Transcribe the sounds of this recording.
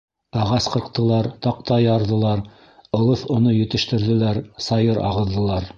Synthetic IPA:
ɑʁɑsqɤ̆ɾqt̪ɤ̆lˠɑɾt̪ɑq̚t̪ɑjɑɾðɤ̆lˠɑɾ | ŏlˠɤθŏnɤjɵ̆t̪ɘ̆ʃt̪ɘ̆ɾðɘ̆læɾsɑjɤɾɑ̰ʁɤ̆ðːɤ̆lˠɑɾ

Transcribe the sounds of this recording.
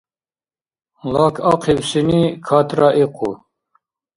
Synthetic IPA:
lɑːkʰɑqʰiwsinikʰɑːt̪ɾɑʔiqʰṵ

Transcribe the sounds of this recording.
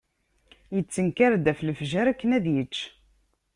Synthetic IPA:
jət͡sːənkaɾd̪æflfʒæɾækːənæðjət͡ʃː

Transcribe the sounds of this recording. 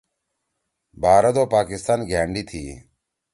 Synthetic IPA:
bʱaːɾəd̪oːpaːkɪst̪aːnɡʱɛːɳɖiːt̪ʰiː

